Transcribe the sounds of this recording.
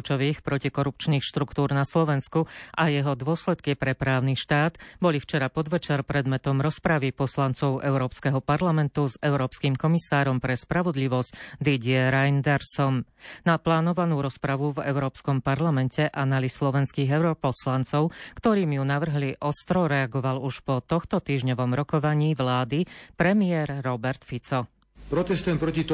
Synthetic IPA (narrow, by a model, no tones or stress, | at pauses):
t͡ʃɔʋiːxpɾɔcikɔɾup̚t͡ʃniːxʃt̪ɾukt̪uːɾnaslɔʋɛnskuʔajɛɦɔd̪ʊɔslɛt̪kipɾɛpɾaːʊniʃt̪aːd̪bɔlift͡ʃɛɾapɔd̪ʋɛt͡ʃɛɾpɾɛd̪mɛt̪ɔmɾɔspɾaʋipɔslant͡sɔʊʔɛʊɾɔːpskɛɦɔpaɾlamɛnt̪uzɛʊɾɔːpskiːmkɔmisaːɾɔmpɾɛspɾaʋɔd̪liʋɔscd̪iɟɪɛɾajnd̪ɛɾsɔmnaplaːnɔʋanuːɾɔspɾaʋuvɛ̰ʊɾɔːpskɔmpaɾlamɛncɛʔanalislɔʋɛnskiːɣɛʊɾɔpɔslant͡sɔʊkt̪ɔɾiːmjunaʋr̩ɦliʔɔst̪ɾɔɾɛaɡɔʋaluʃpɔt̪ɔxt̪ɔt̪iːʒɲɔʋɔmɾɔkɔʋaɲiːʋlaːd̪ipɾɛmiɛɾːɔbɛɾt̪fit͡sɔ | pɾɔt̪ɛst̪ujɛmpɾɔcit̪